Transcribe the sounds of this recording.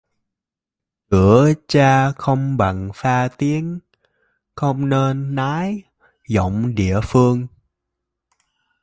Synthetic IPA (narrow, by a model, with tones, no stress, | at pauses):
kɨ˧˩ət͡ɕaː˧xə˧wŋ͡mɓa̰˨˩ŋfaː˧t̪i˨˦ən | xə˧wŋ͡mne˧nːaː˨˦j | zo̰˧˨wŋ͡mɗḭ˧˨əfɨ˧əŋ